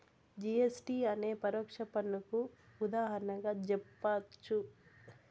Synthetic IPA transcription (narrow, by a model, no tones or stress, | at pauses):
d͡ʒiesʈiːɐne̞ːpɐɾɔːkʂɐpɐnːukuːd̪aːɦɐɾɐnɐŋɡaːd͡ʒɛpːat͡ʃːu